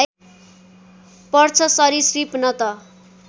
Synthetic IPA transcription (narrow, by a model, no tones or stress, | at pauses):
pʌrt͡sʰʌsʌɾisripnʌt̪ʌ